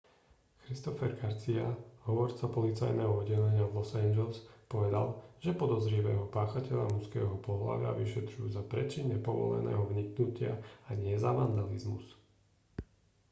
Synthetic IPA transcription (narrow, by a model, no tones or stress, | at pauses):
xɾist̪ɔfɛɾɡaɾt͡siaɦɔʋɔɾt͡sapɔlit͡sajnɛːɦɔɔdɟɛlɛɲɪaʋlɔsɛnd͡ʒɛlspɔʋɛd̪a̰lʒ̥ɛpɔd̪ɔzɾiʋɛːɦɔpaːxacɛʎamuskɛ̰ːɦɔpɔɦla̰ʋɪa̰ʋiʃɛt̪ɾujṵːzapɾɛt͡ʃiɲːɛpɔʋɔ̰lɛ̰nɛ̰ːɦɔʋɲiknucɪaaɲɪɛzaʋand̪alizmṵs